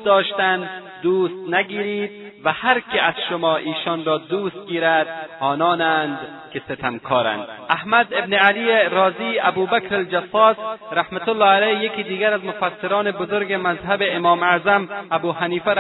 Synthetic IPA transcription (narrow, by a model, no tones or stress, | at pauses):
d̪ɒːʃt̪and̪ | d̪uːst̪naɡiːɾiːd̪̚vahaɾkeazʃʊmɒːʔiːʃɔːnɾɔːd̪uːst̪̚ɡiːɾad̪ɒːnɒːnand̪keset̪ʰamkʰɒːɾa̰nd̪ahmad̪ebnealieɾɒːziːabuːbakɾald͡ʒasɒːsɾahmat̪ʊlːɑːalajːekiːd̪iːɡaɾazmʊfasːɪɾɔːnebʊzoɾɡemazɦabeːmɒːmazamabuːhaniːfa